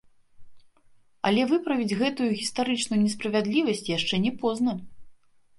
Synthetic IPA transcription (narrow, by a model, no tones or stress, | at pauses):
ɐ̰lʲɛvɨpɾɐvʲid͡zʲɣɛt̪ujuɣʲist̪aɾɨt͡ʂnujunʲɛspɾɐvʲad̪lʲivɐsʲt͡sʲjaʂt͡ʂɛnʲɛpɔznɐ